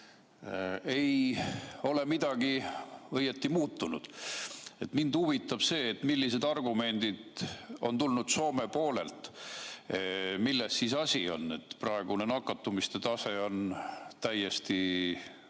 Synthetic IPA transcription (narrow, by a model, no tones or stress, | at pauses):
e̞j | o̞le̞mid̪̥ɑɡ̥iɤjet̪ːimuːt̪ːˑunud̪̥e̞t̪mind̪uvit̪ːˑɑb̥se̞ːt̪ːmilːise̞d̪ɑrɡ̥ume̞nd̪̥id̪̥o̞̰nt̪ulnud̪̥so̞ːme̞po̞ːle̞̰lt̪ | milːesːisɑsʲio̞̰nːe̞t̪prɑeɡ̥une̞nɑkːɑt̪ːumist̪e̞t̪ɑse̞o̞nt̪æjːe̞st̪i